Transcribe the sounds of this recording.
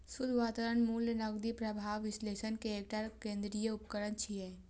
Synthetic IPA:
sʊd̪ʱʋaːt̪aːɾənmuːlnɐɡd̪ipɾəbʱaːʋɪsleːʃənkeeːk̚ʈaɾkẽːnd̪ɾijəʊpkəɾənt͡ʃʰiɦɛː

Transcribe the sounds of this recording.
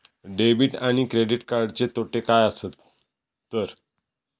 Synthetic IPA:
ɖebiːʈaɽ̃ikɾeɖiʈkaɾɖt͡set̪oʈekajasət̪ː | əɾ

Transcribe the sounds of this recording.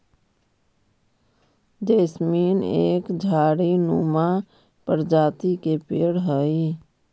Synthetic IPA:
d͡ʒeːsmiːnḛːkd͡ʒʱaːɽinuːma | pəɾd͡ʒaːt̪ikepeːɽɦəi

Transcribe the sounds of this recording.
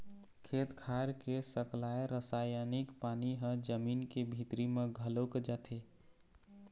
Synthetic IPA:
kʰet̪kʰaɾkesəklaeɾəsajanikpaniɦə̃d͡ʒəminkebʱit̪ɾimeɡʱəlokd͡ʒat̪ʰe

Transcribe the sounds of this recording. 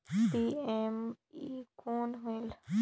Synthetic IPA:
piem | iːkoːnɦul

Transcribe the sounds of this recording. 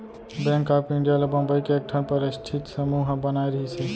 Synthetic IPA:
bɛ̃ŋkapĩɳɖijalebə̃mbəjkeːk̚ʈʰənpəɾəsʈʰit̪səmuɦbənajɾəɦɛsʰɛ

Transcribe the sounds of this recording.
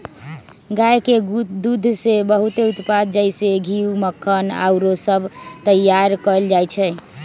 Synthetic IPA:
ɡajked̪ud̪ʱsebəɦut̪eut̪pad̪̚d͡ʒəjseɡʱiwməkʰːəna̰ʊɾosəbʱt̪əjːaɾkəld͡ʒajt͡ʃʰɛ

